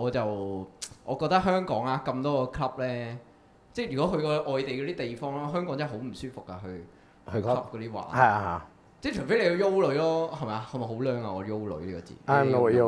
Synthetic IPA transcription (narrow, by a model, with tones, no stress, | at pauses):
ɔː˨˧t͡sɐ˨wʔɔː˨˧kɔː˧k̚t̪ɐ˥k̚ɦœː˥ŋkɔː˨˥ŋaː˧kɐ˧mt̪ɔː˥kɔː˧kʰlɐ˥p̚lɛː˥ | t͡sɛː˥˩jy˨˩kɔ˨˥kɵ˧ɥkɔː˧ʔɔː˨jt̪e˨jkɔː˨˥t̪iː˦˥t̪e˨˩jfɔː˥ŋlɔː˥ɦœː˥ŋkɔː˨˥ŋt͡sɐ˥˩ɦo˨˥wm̩˨˩syː˥fʊ˨kːa˧ɦɵ˧ɥ | hkʰlɐ˥p̚kɔ˨˧t̪i˥wa̰ː˨hɐ˨ja˧ha˨˧ | t͡sɛ˥˩t͡ʃʰɵ˨˩fe˦˥le˨˧jːjo˥wlɵ˨˥ɥlɔː˥hɐ˨˩mɐ˨ja˧kʰɐ˨˧mɐ˨˩ɦo˨˥wlœː˨˧ŋa˧ɔː˨˧jo˥wlɵ̰˨˧˥liː˥kɔ̰ː˧t͡sḭː˨a˥˨mno˥wjo